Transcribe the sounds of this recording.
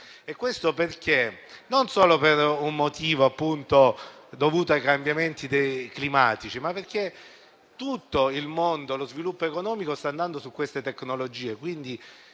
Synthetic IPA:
ekːwest̪operk̟e | nonsoːloperummot̪iːvoapːunt̪od̪ovuːt̪oajkambjament̪id̪ejklimaːt̪it͡ʃimapːerk̟e | t̪ut̪ːoilmond̪olozvilupːoekonɔːmikost̪aːnd̪and̪osukwest̪et̪eknolod͡ʒiːekwind̪i

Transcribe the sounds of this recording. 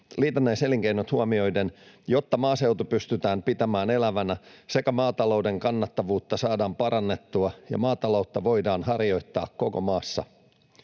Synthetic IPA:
liːt̪onːæjseliŋk̟einot̪huɑmio̞jde̞n | jo̞t̪ːɑmɑːse̞wt̪upyst̪yt̪æːmpit̪æmæːne̞læʋænæse̞kæmɑːt̪ɑlo̞wde̞ŋkɑnːɑt̪ːɑʋuːt̪ːɑsɑːdɑːmpɑɾʔɑnːe̞t̪ːuɑjɑ̰mɑːt̪ɑlo̞wt̪ːɑʋo̞jdɑːnɦɑrjo̞jt̪ːɑ̰ːkko̞ko̞̰mɑːsːɑ̰

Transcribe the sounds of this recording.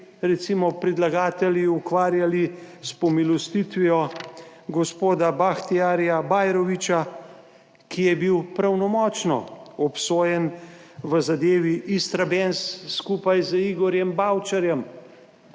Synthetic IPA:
ɾɛt̪simɔpɾid̪laɡaːt̪ɛljiukʋaːɾjalispɔmilɔst̪it̪ʋijɔ | ɡɔspoːd̪abaxt̪iaːɾjabaːjɾɔʋit͡ʃa | kijɛbiwpɾawnɔmɔːt͡ʃnɔ̰ɔpsoːjɛn | ʋəzad̪eːʋiʔist̪ɾabensːkupajziɡɔɾjɛmbawt͡ʃaɾjɛm

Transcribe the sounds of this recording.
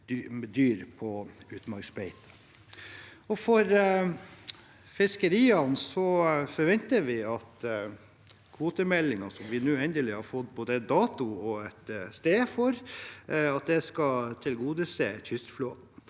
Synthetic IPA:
d̪yːɾpʰɔʉːt̪mɑɾksbɛɪt̪ | ɔfɔɾ | fɪskəɾiːɑnsɔfɔɾʋɛnt̪əɾʋɪɑt̪ | kʰʋuːt̪əmɛlːɪŋɑsɔmʋɪnʉɛnd̪əlɪhɑɾfɔt̪ːboːd̪əɛt̪̚d̪ɑːt̪ʊɔɛt̪st̪eːfɔɾ | ɑt̪̚d̪ɛskɑt̪ʰɪlɡuːd̪əseçʏst̪floːt̪n̩

